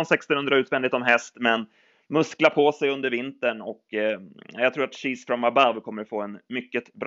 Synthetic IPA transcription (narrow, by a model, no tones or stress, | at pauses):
nsɛkst̪ɔnhɵnd̪ɾaʉːt̪vɛnd̪ɪt̪ɔmɦɛst̪mɛn | mɵsklapʰosɛjɵnd̪əɾvɪnt̪əɳɔk | jat̪ʰɾuːɾat̪ɕiːsfɾɔmabavkʰɔmːəɾfoːɛnmʏkːət̪bɾ